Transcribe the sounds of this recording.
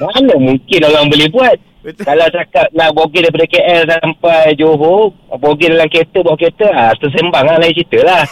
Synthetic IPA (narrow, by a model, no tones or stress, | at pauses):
manəmuŋkɪnoɣaŋbəlɛhbuat̪̚ | kalawt͡ʃakat̪̚naʔboɡidajp̬adəkeʔɛlsampajd͡ʒoɦoboɡidalamket̪əbuaʔket̪əast̪əs̬embaŋlahlait͡ʃit̪əlah